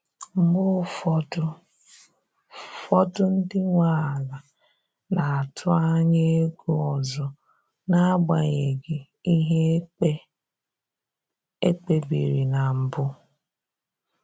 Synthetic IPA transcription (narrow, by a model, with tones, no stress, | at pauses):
m̩˦mʊ˦ | fɔ˦tʊ˦n̩˦dɪ˦ŋʷa˦˨a˨la˨ | na˨a˨tʰʊ˦a˦ɲe˦e˦ɡu˦ɔ˨zɔ˨ | na˦ɡ͡ba˨ɲe˨ɡɪ˨ | i˦ɦe˦e˦ | e˦k͡pe˦bḭ˨ɾi˨na˨m̩˨bʊ˦